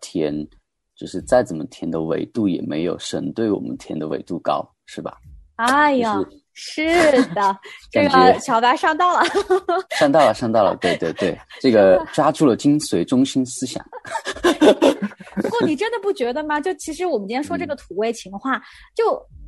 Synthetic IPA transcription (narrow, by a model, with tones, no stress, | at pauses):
t̪ʰjɛ̰˧˥n | t͡ɕjo˥˧ʊʂɻ̩˥˧t͡sa˥˩ɪt͡sə˨˩mə˦t̪ʰjɛ˧˥nd̪ə˧wḛ˧˥ɪt̪u˥˩jɛ̰˨˩mḛ˧˥ɪjo˨˧˩ʊʂə˧˥nt̪we˥˩ɪwɔ̰˨˩mə̰˦nt̪ʰjɛ˧˥nd̪ə˧wḛ˧˥ɪt̪u˥˩kɑ̰˥ʊ | ʂɻ̩˥˩bɐ̰˩a˥ɪa˩˥˩ | ʂɻ̩˥˩d̪ə˩ʈ͡ʂɡə˨˩˥t͡ɕʰjɑ˧˥ʊt̪a˧˥ʂɑ˥˧ŋt̪ɑ˥˩ʊlə˩ʂɑ˥˧ŋt̪ɑ˥˩ʊlə˩ʂɑ˥˧ŋt̪ɑ˥˩ʊlə̰˩t̪we˥˧ɪt̪we˥˧ɪt̪we˥˩ɪʈ͡ʂɤ˥˩ɡə˩ʈ͡ʂwa˥ʈ͡ʂʰu˥˩lə˩t͡ɕi˥nswe˧˥ɪʈ͡ʂʊ˥ŋɕi˥nsɹ̩˥ɕjɑ̰˨˩˦ | kɔ˥˩n˨˩ʈ͡ʂə˥nd̪ə˨pu˥˩t͡ɕɥɛ˧˥d̪ə˧mɐ˨t͡ɕjo˥˩ʊt͡ɕʰi˧˥ʂɻ̩˧˥wɔ˨˩mə˦nt͡ɕjɛ˥nʂwɔ˥ʈ͡ʂɤ˥˩ɡə˩t̪ʰu˨˩we˥˩ɪt͡ɕʰi˧˥ŋxwa˥˩t͡ɕjo˥˩ʊ